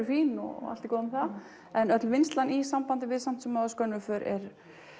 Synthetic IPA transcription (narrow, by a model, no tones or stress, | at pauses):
ʏfiːnɔ̰ɣa̰l̥t̪ikɔːðʏmθa | ɛnœt̪lvɪnst̪lanisampant̪ɪvɪðsam̥t̪sɛmːaskœnːʏfœɾɛ̰ɾ